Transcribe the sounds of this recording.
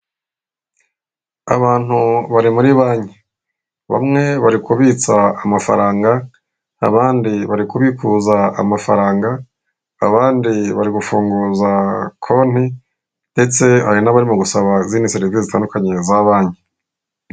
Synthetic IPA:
a̰βaːn̥huβaɾimuɾiβaːɲe | βa̰mŋe̞βaɾikuβiːt͡saamafa̰ɾaːŋɡa | a̰βaːndiβaɾikuβikuzaa̰mafaɾaːŋɡa̰ː | βaːndiβaɾiɡufuːŋɡuːzakʰo̞n̥i | nde̞t͡se̞ha̰ɾinaβaɾimuɡusaβaziːnisiɾevezitaːndukaɲe̞zaβaːɲe

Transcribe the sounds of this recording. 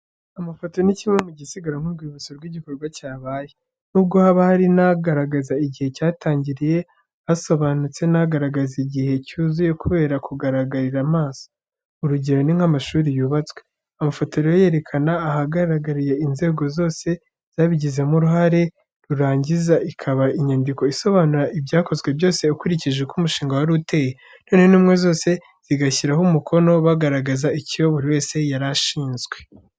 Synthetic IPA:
amafotoniciŋemuɟisiɡaɾaŋ̥uɾɡwiβut͡soɾɡwiɟiko̞ɾɡwacaːβaːje | nub̚ɡo̞haβahaɾinaɡaɾaɡazaiɟihe̞caːtaːɲɟiɾije̞ | aso̞βanut͡se̞naɡaɾaɡaziɟihe̞cuːzuje̞kuβe̞ːɾakuɡaɾaɡaɾiɾamaːso̥ | uɾuɟe̞ɾo̞niŋ̥hamaʃuːɾijuːβat͡swe̞̥ | amafo̞toɾojoje̞ɾe̞kʰanaːhaɡaɾaɡaɾije̞inze̞ːɡo̞zo̞ːse̞ | z̥aːβiɟize̞muɾuhaɾe̞ | ɾuɾaːɲɟizaʔikʰaβaiɲandiko̞iso̞βaːnuɾaʔibjaːko̞zɡwe̞bjo̞ːse̞ukuɾiciʒekumuʃiːŋɡawaɾute̞ːje | no̞ːnhe̞nuːmŋe̞zo̞ːse̞ | z̥iɡaçiɾaɦomukʰo̞no̞βaɡaɾaɡazaicijoβuɾiwe̞ːse̞jaɾaʃiːnzɡwe̞

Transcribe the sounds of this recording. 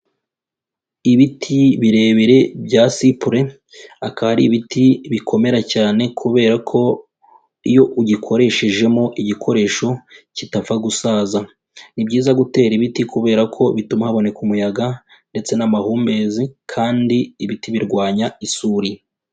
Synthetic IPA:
iβitʰiβiɾe̞ːβiɾe̞bɟasipuɾe | akaaɾiβitʰiβikʰo̞me̞ɾacaːne̞kʰuβe̞ːɾakʰo̞ | ijo̞ʔuɟikʰo̞ɾe̞ʃe̞ʒe̞moʔiɟikʰo̞ɾe̞ːʃo̞citafaɡusaːza | nibɟiːzaɡute̞ːɾiβitikuβe̞ːɾakʰo̞βitumahaβo̞ne̞kumujaɡa | nde̞t͡se̞namahuːmbe̞ːzikʰaːndiːβitiβiɾɡwaːɲaisuːɾi

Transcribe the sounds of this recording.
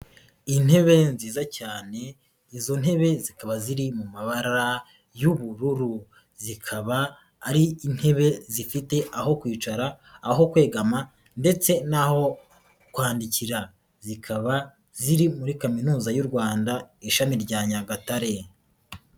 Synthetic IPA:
in̥he̞βe̞nziːzacaːne̞ | izo̞n̥ɦe̞βe̞zikaβaziɾimumaβaɾɾa | juβuɾuɾu | zikʰaβaː | ɾiːn̥he̞βe̞zifite̞ʔaɦo̞kwiːt͡ʃaɾaː | ɦo̞kwe̞ːɡama | nde̞t͡se̞naho̞ | kwaːndiciɾa | zikʰaβa | ziɾimuɾikaminuːzajuɾɡwaːndaiʃamiɾɟaːɲaɡataɾe̞

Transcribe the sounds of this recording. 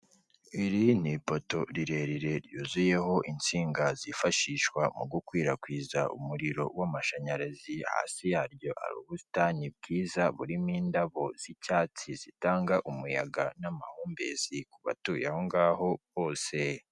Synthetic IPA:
iɾin̥ipoto̞ɾiɾe̞ɾiɾe̞ɾjuːzuje̞ɦo̞ʔint͡siːŋɡazifaʃiʃkwamuɡukwiːɾakwiːzaṵmuɾiɾo̞wamaʃaɲaɾaziha̰ːsijaːɾɟo̞ʔa̰ɾṵːβusi̥taɲib̚ɡiːzaβuɾimiːndaβo̞z̥icaːt͡sizitaːŋɡaʔumuja̰ɡanamahuːmbḛz̥ikuβa̰tuːjahoŋɡaːho̞βoːse

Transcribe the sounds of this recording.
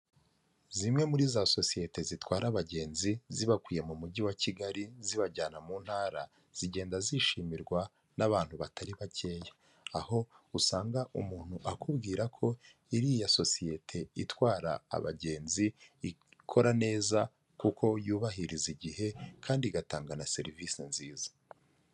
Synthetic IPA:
zimŋe̞muɾiːzaso̞sije̞te̞zitwaːɾaβaɟe̞ːnziziβakwiːje̞mumuɟiwaciɡaɾiziβaɟaːnamuːn̥haːɾa | z̥iɟe̞ːndaziʃiːmiɾɡwa | naβaːn̥huβatʰaɾiβace̞ːjḁ | aho̞usaːŋɡaʔumuːn̥huʔakubɡiːɾakʰo̞ | iɾijaso̞sije̞tʰe̞itwaːɾa̰ːβa̰ɟe̞ːnzii | kʰo̞ɾane̞ːza | kukʰo̞juːβahiɾiziɟihe̞kʰaːndiɡataːŋɡanase̞ɾiviːsenziːzḁ

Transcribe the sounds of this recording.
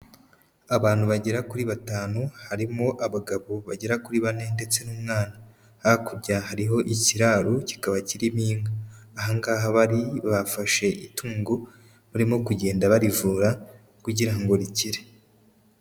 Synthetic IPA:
aβaːn̥huβaɟe̞ɾakuɾiβataːnuhaɾimoʔaβaɡaβoβaɟe̞ɾakuɾiβane̞nde̞t͡se̞nuːmŋaːna | haakuɾɟahaɾiɦo̞ʔiciɾaːɾuci̥kaβaciɾimiːŋɡaːɦaŋɡaːɦaβaɾiβafaʃe̞ʔitʰuːŋɡu | muɾimo̞kuɟe̞ːndaβaɾivuːɾa | kuɟiɾaŋɡo̞ɾiciɾe

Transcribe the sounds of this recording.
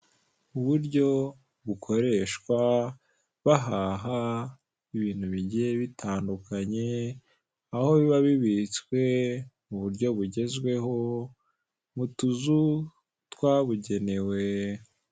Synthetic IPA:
uβuɾɟo̞ | βukʰo̞ɾe̞ʃkwa | βaɦaɦa | iβiːn̥huβiɟijeβitʰaːndukaɲe̞ | aho̞βiβaβiβit͡skwe̞muβuɾɟo̞βuɟe̞zɡwe̞ɦo̞ | mutuzu | twaβuɟe̞ne̞we̞

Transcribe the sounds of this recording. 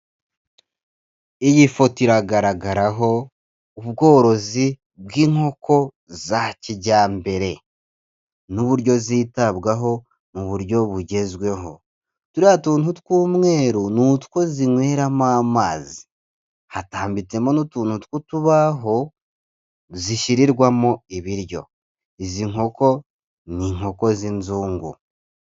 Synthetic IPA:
ijifotiɾaɡaɾaɡaɾaɦo̞ | uβɡo̞ːɾo̞zi | βɡiːŋho̞ko̞ | zaciɟaːmbe̞ɾe̞ | nuβuɾɟo̞ziːtaβɡaɦo̞ | muβuɾɟo̞βuɟe̞zwe̞ɦo̞̰ | tuɾihatuːntutu̥kuːmŋe̞ːɾunutu̥ko̞ziŋwe̞ːɾamaːmaːzi̥ | hataːmbit͡se̞monutuːntutu̥kutuβaɦo̞ | ziʃiɾiɾɡwamoiβiɾjo̞̰ | iziŋo̞ko̞ | niŋo̞ko̞zinzuːŋɡṵ

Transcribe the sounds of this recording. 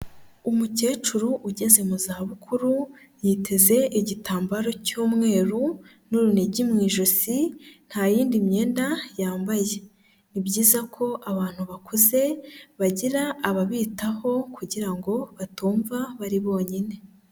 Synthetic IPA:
umuce̞ːt͡ʃuɾuʔuɟe̞ze̞muzahaβukʰuɾu | jiːtʰe̞ze̞ʔiɟitaːmbaɾo̞cuːmŋe̞ːɾu | nuɾuneɟimŋiːʒosin̥hajiːndimɲe̞ːndajaːmbaje̞ | nibɟiːzakʰo̞ʔaβaːn̥huβakʰuze̞βaɟiɾaːβaβiːtaho̞kʰuɟiɾaŋɡo̞βatuːɱvaβaɾiβo̞ːɲine̞

